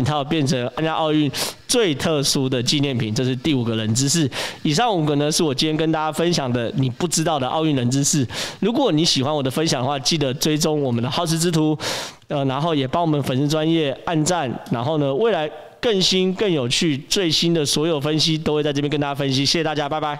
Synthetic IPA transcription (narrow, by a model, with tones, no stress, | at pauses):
t̪ʰa˥jɑ˥˧ʊpjɛ˥˩nʰə˧˥ŋa˥˧nja˥˧˥ʔɑ˥˧ʊy˥˩nt͡swe˥˧ɪt̪ʰɤ˥˧su˥d̪ə˨t͡ɕi˥˧njɛ˥˩npʰi˨˩˦nʈ͡ʂɤ˥˧ʂɻ̩˥˧t̪i˥˩u˨˩ɡə˦lə˧˦nt͡sɹ̩˦ʂ̩˥˩i˨˩ʂ̬ɑ˥˩ŋu˨˩ɡə˦nə˧˦ʂɻ̩˥˩wɔ˨˩t͡ɕi˥ntʰjɛ˥kə˥nt̪a˥˧t͡ɕja˥fə˦nɕjɑ˨˩ŋd̪ə˦ni˨˩pu˥˩ʈ͡ʂɻ̩˥t̪ɑ˥˩ʊd̪ə˩ʔɑ˥˧ʊy˥˩nɻə˧˦nt͡sɻ̩˦ʂɻ̩˥˩lu˧˦˥kwɔ˨˩ni˨˥ɕi˨˩xwa˦nwɔ˨˩d̪ə˦fə˦nɕjŋd̪ə˦xwa˥˧˩t͡ɕi˥˩d̪ə˩t͡swe˥˩ɪʈ͡ʂo˥ŋwɔ˨˩mə˦nd̪ə˧xɑ˥ʊʂʰɻ̩˥t͡sɹ̩˥t̪ʰu˧˥ | ə˧˨na˧˥nxo˥˩ʊjɛ˨˩pɑ˥ŋwɔ˨˩mə˨˦nfə˨˦ns̩˥˧ʈ͡ʂwa˦njɛ˥˩a˥˧nt͡sa˥˩nna˧˥nxo˥˩ʊnə˩we˥˩ɪla˧˦ɪ | kə˥˩nɕi˥nkə˥˩njo˨˩ʊt͡ɕʰy˥˧t͡swe˥˩ɪɕi˦˥nd̪ə˨swɔ˧˥jo˨˩ʊfə˦nɕi˦t̪̬o˥xwe˥˧t͡sa˥˧˥pjkə˥nt̪a˧˩t͡ɕa˥fə˦nɕ̬i˧˦ɕjɕɛ˧t̪a˥˧˩t͡ɕja˦˥pa˥˧ɪba˥˩ɪ